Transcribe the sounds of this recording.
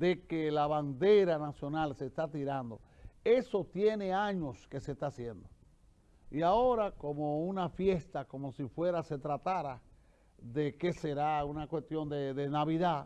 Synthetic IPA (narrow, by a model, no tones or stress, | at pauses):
d̪e̞kelaβand̪e̞ɾanasjo̞nalseːst̪at̪iɾand̪o̞̰e̞so̞t̪je̞ne̞aɲo̞ske̞sest̪asje̞nd̪o | iao̞ɾako̞mounafje̞st̪ako̞mo̞sifwe̞ɾase̞t̪ɾat̪aɾa | ðe̞ke̞seɾaunakwe̞st̪jo̞nd̪eðenaβiða